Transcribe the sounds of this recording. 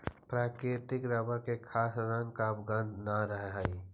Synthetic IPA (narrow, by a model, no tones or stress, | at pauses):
pɾaːkɾɪt̪ɪkɾɐbakekʰaːsɾãŋkabɡə̃nd̪naɾəɦɦaːiː